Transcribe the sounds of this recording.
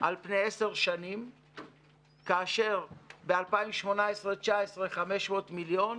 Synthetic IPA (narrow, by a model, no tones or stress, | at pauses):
ʔalpne̞jese̞ʁʃanim | kaːʃe̞ʁbealpaimʃmo̞naesʁet͡ʃaesʁeχame̞ʃmo̞ːtmiljo̞n